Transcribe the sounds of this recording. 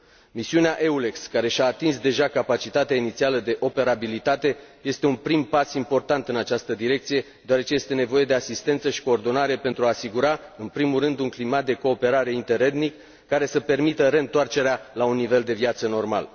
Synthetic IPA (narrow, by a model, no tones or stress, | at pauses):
misiuneaʔe̞ule̞kskaɾe̞ʃaːt̪insd̪e̞ʒakapat͡ʃit̪at̪eainit̪sialəd̪e̞ʔo̞pe̞ɾabilit̪at̪e̞je̞st̪e̞unpɾimpasimpo̞rt̪ant̪ɨnat͡ʃast̪əd̪iɾe̞k̚t̪sije̞ | d̪eoaɾe̞t͡ʃe̞je̞st̪e̞ne̞vo̞je̞d̪e̞asist̪e̞nt̪səʃi̥ko̞ːrd̪o̞naɾe̞pent̪ɾuaːsiɡuɾaɨnpɾimulrɨnd̪uŋklimat̪̚d̪e̞ko̞ːpe̞ɾaɾe̞int̪e̞ɾe̞d̪nikː | aɾe̞səpe̞rmit̪əɾe̞nt̪oart͡ʃe̞ɾealaunːive̞ld̪e̞vjat̪səno̞rma̰l